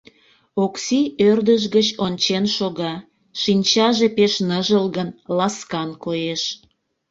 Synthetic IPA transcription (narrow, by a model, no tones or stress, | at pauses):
oksiørd̪əʃɣət͡ɕonʲt͡ɕenʃoɣɑ | ʃinʲt͡ɕɑʒepeʃnəʒəlɣənlɑskɑnkojeʃ